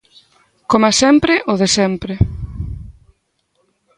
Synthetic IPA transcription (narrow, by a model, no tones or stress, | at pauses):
komasɛmpɾɪʔoðesɛmpɾe